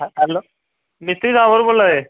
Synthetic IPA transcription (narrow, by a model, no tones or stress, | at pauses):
aalːo | mit̪ɾiːsãbəɾbolːae